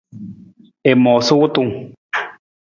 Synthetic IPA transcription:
e˨mɔ˨su˦wu˦t̪u˦˨ŋ

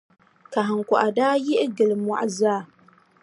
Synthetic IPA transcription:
ka˨ɦɨ˨ŋ̩kɔ˨ʔa˨daː˦jɪ˦ʔɪ˦ɡɨ˨lɨ˨mɔ̰˨ʔa˨zaː˦˨

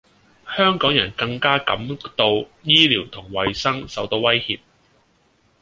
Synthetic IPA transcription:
hœː˥ŋkɔː˨˥ŋjɐ˨˩nkɐ˧ŋkaː˥kɐ̰˨˥mt̪o˧wjiː˥liː˨˩wt̪ʰʊ˨˩ŋwɐ˨jsɐ˥ŋsɐ˨˥wt̪o˧wɐ˥jhḭː˧p̚

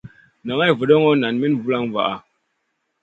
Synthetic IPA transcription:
na˨ŋa˦jvə˨ɗɔ˦ŋɔ˦na˨nmi˦n˨vu˦la˦ŋ˨va̰˨ʔa˨

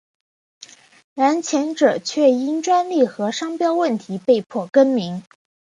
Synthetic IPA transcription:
na˧˥nt͡ɕʰjɛ˧˥nʈ͡ʂɤ˨˩t͡ɕʰɥɛ˥˩i˥nʈ͡ʂwa˥nli˥˩xɤ˧˥ʂɑ˥ŋpjɑ˥ʊwə˥˩nt̪ʰi˧˥pe˥˧ɪpʰwɔ˥˩kə˥nmi˧˥ŋ

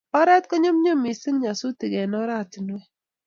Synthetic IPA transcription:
ɔ˦ɾɛ˦tkɔ˦ɲɔ˦mɲo˦mi˨si˦ŋɲa˨su˦ti˨kɛ˨nɔ˦ɾa˦ti˨nwɛ˦

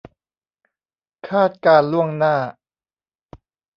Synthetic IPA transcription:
kʰaː˥˩t̪̚kaː˧nlu˥˩əŋnaː˥˩

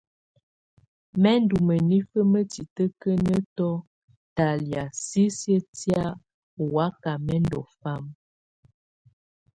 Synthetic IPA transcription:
mɛ˦n˦du˨mə˨ni˦fə˦mə˦ti˨tə˦kə˦nə˦tɔ˦ | ta˨lja˨si˦sjə˦tja˦˨ | wa˦ka˨mɛ˦ndɔ̰˨fa˦m

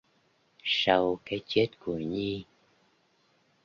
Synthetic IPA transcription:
sa˧wkaː˨˦jt͡ɕe˦˥t̚ku˧˩əɲi˧

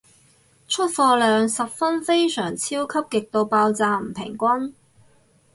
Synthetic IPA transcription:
t͡ʃʰɵ˥t̚fɔː˧lœː˨˧ŋsɐ˨p̚fɐ˥nfe˥jsœː˨˩ŋt͡sʰiː˥wkʰɐ˥p̚kɪ˨k̚t̪o˧wpaː˧wt͡saː˨˧m̩˨˩pʰɪ˨˩ŋkʷɐ˥n

